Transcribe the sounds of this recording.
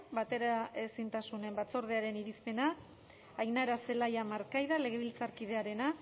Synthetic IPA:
bat̪e̞ɾae̞sint̪asune̞mbat͡so̞ɾð̞eaɾe̞niɾispe̞naː | jnaɾase̞lajamaɾkajðale̞ɣ̞e̞β̞ilt͡saɾkið̞e̞aɾe̞na

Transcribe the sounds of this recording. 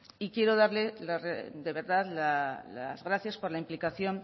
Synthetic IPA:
ikje̞ɾo̞ð̞aɾle̞lared̪e̞βe̞ɾðaðlala̰zɣɾaθjaspo̞ɾlaimplikaθjo̞n

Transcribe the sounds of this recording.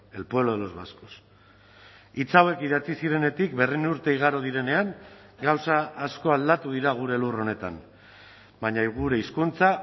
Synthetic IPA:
e̞lpweloð̞elo̞zβasko̥s | it͡sawe̞kiðat͡sisiɾe̞ne̞t̪ikbe̞rinuɾt̪e̞iɣ̞aɾoð̞iɾe̞ne̞aŋ | ɡawsaːsko̞ald̪at̪uðiɾaɣ̞uɾe̞luro̞ne̞t̪a̰m | baɲaɣuɾe̞iskunt͡sa

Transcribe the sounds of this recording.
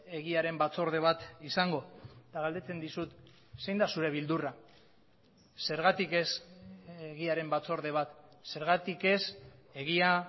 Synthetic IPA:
e̞ɣiaɾe̞mbat͡so̞ɾð̞e̞β̞at̪isaŋɡo̞t̪aɣald̪e̞t͡se̞nd̪isut̪ | se̞jnd̪asuɾe̞β̞ild̪ura | se̞ɾɣat̪ike̞s | eɣiaɾe̞mbat͡so̞ɾðe̞β̞at̪se̞ɾɣat̪ike̞se̞ɣia

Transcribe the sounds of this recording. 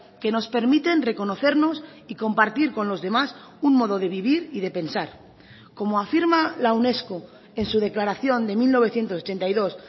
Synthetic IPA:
ke̞no̞spe̞ɾmit̪e̞nre̞ko̞no̞θe̞ɾno̞s | iko̞mpaɾt̪iɾko̞nlo̞zðe̞mas | unmo̞ð̞o̞ð̞e̞β̞iβ̞iɾið̞e̞pe̞nsaɾ | ko̞moafiɾmalawne̞sko | e̞nsuð̞e̞klaɾaθjo̞nd̪e̞milno̞β̞e̞θje̞nt̪osot͡ʃe̞nt̪ajðo̞s

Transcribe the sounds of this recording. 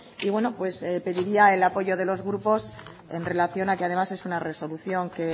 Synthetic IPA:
iβwe̞no̞pwe̞spe̞ðiɾiae̞lapo̞ʝo̞ð̞e̞lo̞zɣɾupo̞s | e̞nre̞laθjo̞nake̞að̞e̞mase̞sunare̞so̞luθjo̞ŋke̞

